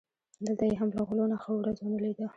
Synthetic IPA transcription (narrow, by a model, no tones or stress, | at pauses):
d̪əlt̪ajeɦamlaɣlonaxawɾazwanəled̪a